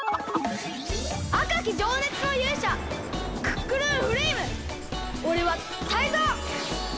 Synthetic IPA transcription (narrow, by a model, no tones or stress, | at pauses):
akak̬ʲid͡ʑo̞ːne̞t͡sɨno̞jɯːɕa | kɯ̟̥kːɯɾɯːɸɯ̟ɾiːmɯ̟ | oɾe̞βa | t̪aizoː